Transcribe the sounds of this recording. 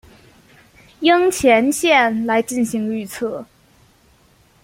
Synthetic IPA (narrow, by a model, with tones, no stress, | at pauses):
jə˥ŋt͡ɕʰjɛ˧˥nɕjɛ˥˩nla˧˥ɪt͡ɕi˥˩nɕi˧˥ŋly˥˧t͡sʰɤ˥˩